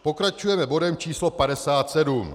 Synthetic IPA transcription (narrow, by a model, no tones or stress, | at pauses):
po̞kɾat͡ʃujɛmɛbo̞dɛmt͡ʃiːslo̞padɛsaːt̪sɛdum